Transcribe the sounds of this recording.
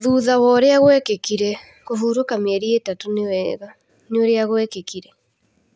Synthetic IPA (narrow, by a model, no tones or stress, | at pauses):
ðuːðawɔɾeaɣwɛkekiɾɛ | kofuːɾokamɛɾietatonewɛɣa | neoɾeaɣwɛkekiɾɛ